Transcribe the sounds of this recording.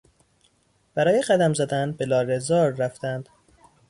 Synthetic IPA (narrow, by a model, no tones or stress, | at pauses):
b̥æɾɒːje̞ɢæd̪æmzæd̪ænbe̞lɒːɾezɒːɾːæft̪ænd̪̥